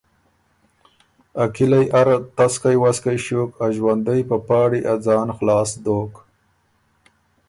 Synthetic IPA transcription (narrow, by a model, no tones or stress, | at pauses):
akilajʔaɾat̪askajwaskajʃokaʒwand̪əjpəpɑːɽiʔad͡zɑːnxlɑːsd̪oːk